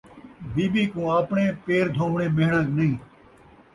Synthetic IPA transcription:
biːbiːkũːaːpɳẽːpeːɾd̪ʱõːmɳẽːmeːɦɳãːknəɦĩː

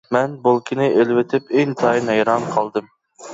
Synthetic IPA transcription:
mɛnbolˠkʲʰɪnɪʔelwɪt̪ʰɪpeŋt̪ʰɑjnɛjɾɑmqʰɑlˠd̪ɨm

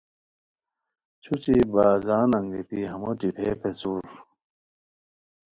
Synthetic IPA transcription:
t͡ɕʰut͡ɕibaːzaːnɐŋɡit̪iɦɐmoʈ͡ʂipʰepʰesuːɾ

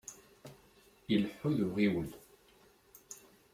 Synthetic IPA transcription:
əlħːʊðʊʁiwəl

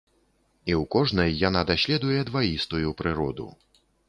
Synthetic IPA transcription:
iwkɔʐnɐjːan̪ad̪asʲlʲɛd̪ujɛd̪vajist̪ujupɾɨɾɔd̪ṵ

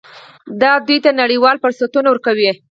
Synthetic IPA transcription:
d̪ɑd̪ujt̪anaɽiwɑlfʊɾsat̪unawəɾkawi

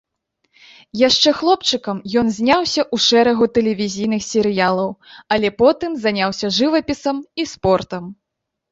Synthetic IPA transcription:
jaʂt͡ʂɛxlˠɔp̚t͡ʂɨkɐmjɔnzʲnʲawsʲɐʔuʂɛɾɐɣut̪ɛlʲɛvʲizʲijnɨxsʲɛɾɨjalˠɐwɐlʲɛpɔt̪ɨmzanʲawsʲɐʐɨvɐpʲisɐmispɔrt̪ɐm

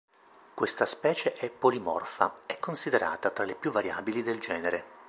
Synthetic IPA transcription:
kwest̪aspɛːt͡ʃeʔɛpːolimɔ̰rfa̰ɛkːonsid̪eɾa̰ːt̪at̪ɾalepjuvːaɾja̰ːbilid̪eld͡ʒɛːneɾe

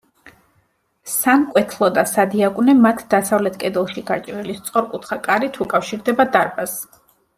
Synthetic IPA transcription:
sankʼwɛt̪ʰlˠɔd̪asad̪iakʼunɛmat̪ʰd̪asavlɛt̪ʰkʼɛd̪ɛlˠʃiɡaɾt͡ʃʼvilist̪sʼqʼɔɾkʼut̪ʰχakʼaɾit̪ʰukʼafʃiɾd̪ɛbad̪aɾbas

